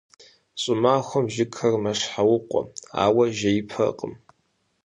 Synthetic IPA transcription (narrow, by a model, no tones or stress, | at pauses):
ɕʼʊmaːxʷɔmʒɪkʰɐrmɐʂħawʊqʷʼɔ̰a̰ːwɐʒɐjɪpʰɐ̰qʼəm